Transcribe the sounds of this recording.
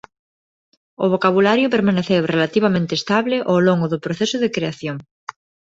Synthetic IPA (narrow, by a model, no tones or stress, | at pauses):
ʊ̰β̞okaβulaɾjʊpeɾmaneθewrelat̪iβ̞amẽnt̪est̪aβleʔowloŋɡʊðʊpɾoθesʊðekɾeaθjoŋ